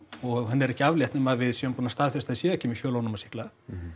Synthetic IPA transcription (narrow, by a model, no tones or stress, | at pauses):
ɔɣɦanːɛɾɛhcɪavljɛht̪nɪmaðvɪðsœmpunast̪aːðfɛst̪aðɪsɛːðɛhcɛmiçjœːlownʏmasɪ̥hkla